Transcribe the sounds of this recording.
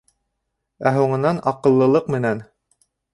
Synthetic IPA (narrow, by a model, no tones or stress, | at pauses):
æɦuɴɤ̆nɑnɑqɤ̆lˠːɤ̆lˠɤqmɘ̆næn